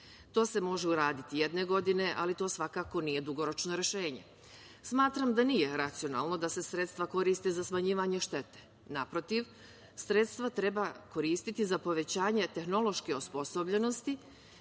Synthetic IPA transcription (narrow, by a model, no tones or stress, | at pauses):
t̪o̞ːse̞mo̞ʒeuɾaːd̪it̪ijed̪ne̞ɡo̞d̪ine̞ʔalit̪o̞ːsʋakaːko̞niːje̞d̪uɡo̞ɾo̞t͡ʃno̞ɾe̞ʃe̞ːɲe̞̰ | smaːt̪ɾamd̪aniːje̞ɾat̪sijo̞na̰ːlˠno̞d̪ase̞sɾe̞t̪st̪ʋako̞ɾiːst̪ezasmaɲiːʋaɲe̞ʃt̪e̞t̪e̥ | napɾo̞t̪iʋ | sɾet̪st̪ʋat̪ɾe̞bako̞ɾiːst̪it̪izapo̞ʋet͡ɕaːɲe̞t̪e̞xno̞lˠo̞ʃkeospo̞so̞bʎe̞no̞st̪i